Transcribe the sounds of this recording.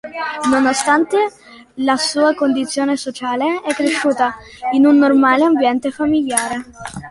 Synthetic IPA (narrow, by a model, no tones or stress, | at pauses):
nonost̪ant̪e | lasuːakond̪it̪sːjoːnesot͡ʃaːleɛkːɾeʃːuːt̪a | inunːormaːleambjɛnt̪efamiljaːɾe